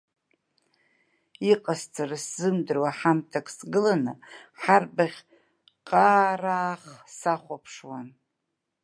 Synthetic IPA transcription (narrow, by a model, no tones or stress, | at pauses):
iqʼast͡sʰʼaraszɨmdɨrwaħamtʰakʼsɡɨlanɨħarbaʁʲ | qʼaːraːχsaχʷapʰʂwan